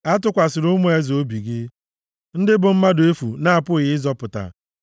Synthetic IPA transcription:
a˦tʊ˦kʷa˨sɪ˨ɾʊ˦mo˦e˦zo˦bi˨ɡɪ˦ | n̩˦dɪ˦bʊ˨m̩˦ma˦do˨e˦fu˨na˦a˨pʊ˦ɣɪ˦zɔ˦pʊ˨ta̰˨

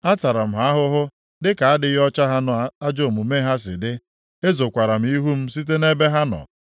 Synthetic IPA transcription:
a˦ta˨ɾa˨m̩˨ɦa˦a˦ɦʊ˦ɦʊ˦ | dɪ˦ka˨a˦dɪ˦ɔ˦t͡ʃa˦ɦa˦nɔ˨˦a˦d͡ʒo˦˨mu˨me˦ɦa˦s̬ɪ̰˨dɪ˦ | e˦zo˨kʷa˨ɾa˨m̩˨˦i˦ɦu˦m̩˦si˦t̬e˦ne˦be˦ɦa˦nɔ̰˨

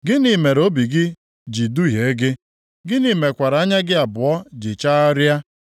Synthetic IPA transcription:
ɡɪ˦ni˨me˨ɾo˦bi˨ɡɪ˦ | d͡ʒi˨du˦ɦje˨˦ɡɪ˦ | ɡɪ˦ni˨˦me˨kʷa˨ɾa˨a˦ɲa˦ɡɪ˦a˨bʊ˨ɔ˦d͡ʒɪ˨t͡ʃa˦ɔ˦ɾja˦

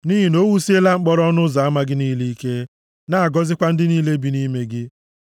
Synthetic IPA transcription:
niː˦ɦi˦no˦wu˦si˦e˦la˦ŋ͡m̩˦k͡pɔ˦ɾɔ˦nʊ˦za˨a˦ma˦ɡɪ˦niː˦li˦i˦ke˦ | na˦˨a˨ɡɔ˦zɪ˦kʷa˦n̩˦dɪ˦niː˦le˦bi˨˦ni˦me˦ɡɪ˦

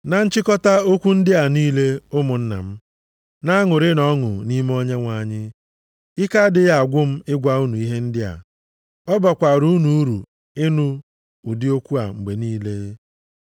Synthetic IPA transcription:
na˨n̩˦t͡ʃɪ˦kɔ˦ta˦o˦kʷu˦n̩˦dɪ˦a˨niː˦le˦ʊ˦mʊ˨n̩˦na̰˨m̩˦ | na˦ŋʊ˨ɾɪ˦nɔ˦ŋʊ̰˨ni˦m˦o˦ɲe˦ŋʷa˨ɲɪ˦ | ɪ˦ka˦dɪ˦ja˨a˨ɡʷʊ˦m̩˦ɪ˦ɡʷa˦u˦nu˨i˦ɦe˦n̩˦dɪ˦a̰˨ | ɔ˦ba˨kʷa˨ɾu˦nu˨u˦ɾṵ˨ | ɪ˦nu˦ | u˨dɪ˦o˦kʷu˦a̰˨ŋ͡m̩˨ɡ͡be˨niː˦le˦

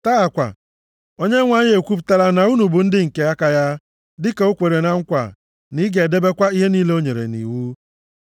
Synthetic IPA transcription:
ta˦a˨kʷa̰˨ | o˦ɲe˦ŋʷa˦ɲe˦e˨kʷu˦p̬ta˦ɾa˦na˨u˦nu˨bu˨n̩˦dɪ˦ŋ̩˨ke˦a˦ka˦ja˦ | dɪ˦ke˨o˦kʷe˨ɾe˨na˦ŋ̩˦kʷa̰˨ | ni˦ɡe˨de˦be˦kʷa˦i˦ɦe˦niː˦le˦o˦ɲe˨ɾḛ˨nḭ˨wu˦

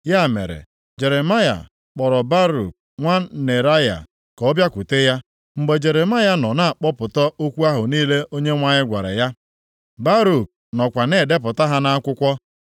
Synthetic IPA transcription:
ja˦˨mḛ˨ɾḛ˨ | d͡ʒe˨ɾe˨ma˦ja̰˨ | k͡pɔ˨ɾɔ˨ba˦ɾṵ˨k̚ | ŋʷa˦ne˨ɾa˦ja̰˨ | kɔ˨˦bja˦kʷu˨te˦ja˦ | ŋ͡m̩˨ɡ͡be˨d͡ʒe˨ɾe˨ma˦ja˦nɔ˨na˦a˨k͡pɔ˦pʊ˨tɔ˦o˦kʷu˦a˦ɦʊ˨niː˦le˦o˦ɲe˦ŋʷa˦ɲɪ˦ɡʷa˨ɾḛ˨ja˦ | ba˦ɾu˨k̚ | nɔ˨kʷa˨ne˦˨de˦p̬ʊ˨ta˦ɦa˦na˦kʷʊ˦kʷɔ˦

